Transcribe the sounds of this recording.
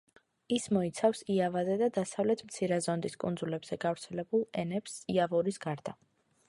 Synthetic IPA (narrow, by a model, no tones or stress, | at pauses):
ismɔit̪sʰafsiavazɛd̪ad̪asavlɛt̪ʰmt̪sʰiɾɛzɔnd̪iskʼṵnd̪zulɛbz̥ɛɡavɾt̪sʰɛlɛbulˠɛnɛpsiavɔɾisɡaɾd̪̥a